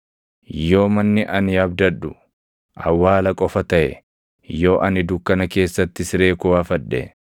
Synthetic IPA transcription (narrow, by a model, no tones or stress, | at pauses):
jo̞ːmɐnːɪʔɐnɪɐbd̪ɐᶑʊ | ʔɐ̰wːaːlɐkʼɔfɐt̪ɐʔɛ̰ | jo̞ːʔɐnɪd̪ʊkːɐnɐke̞ːsːɐt̪ːɪsɾe̞ːkʊwaːfɐᶑːɛ̰